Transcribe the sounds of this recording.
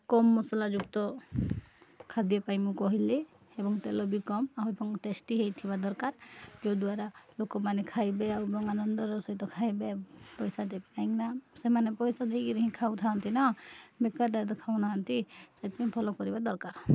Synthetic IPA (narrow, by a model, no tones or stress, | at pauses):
kɔmːɔsɔlad͡ʒuɡt̪ɔ | kʰad̪iɔpajmũkɔɦile | ebɔŋt̪elɔbikɔmaɦɔjbɔŋʈesʈiɦejt̪ʰibad̪ɔɾkaɾd͡ʒod̪uaɾalokɔmanɛkʰajbeabɔŋanɔnd̪ɔɾɔsɔit̪ɔkʰajbepɔjsad̪ebnaiŋnasemanepɔjsad̪ekiɾiɦĩkʰawt̪ʰaɦɔnt̪inɔmekaɾdat̪ɔkʰawnaɦant̪isajt̪mĩpʰɔlɔkɔɾibad̪ɔɾkaɾ